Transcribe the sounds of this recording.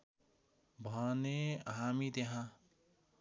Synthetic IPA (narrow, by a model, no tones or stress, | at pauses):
bʱʌneɦamit̪eɦã